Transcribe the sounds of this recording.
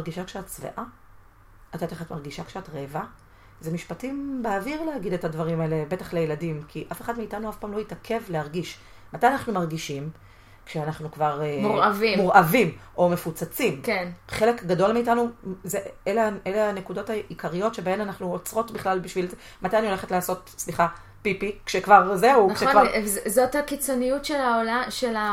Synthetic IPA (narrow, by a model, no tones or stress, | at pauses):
aʁɡiʃakʃeatt͡svḛʔaː | tat̪aχatmaʁɡiʃakʃeatʁeːva | zemiʃpatimbeaviʁleaɡide̞thadvaʁimaelebe̞taχlejeladimkʰiʔafe̞χadmiːtanuafpaːmlo̞itakʰe̞vlehaʁɡiʃ | matajanaχnumaʁɡiʃim | kʃeanaχnukvaʁmuʁavimmuʁavimʔo̞me̞fut͡sat͡simkenχe̞le̞kɡado̞lmeːtanuzeeleaeleane̞kudo̞thaikʰaʁijo̞tʃe̞bae̞nanaχnuot͡sʁo̞tbiχlalbiʃvilze | matajanio̞leχetleaːso̞tsliχa | pipikʃekvaʁzeuknʃevazothakit͡sonijutʃelaolaʃela